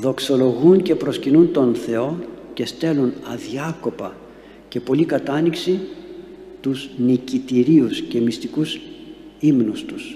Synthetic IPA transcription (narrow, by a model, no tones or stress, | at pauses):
ðo̞kso̞lo̞ɣunce̞pɾo̞scinunt̪o̞nθe̞o̞ce̞st̪e̞lunɐðiɐko̞pɐ | ce̞po̞likɐt̪ɐniksi | t̪uznicit̪iɾiusce̞mist̪ikusimnust̪us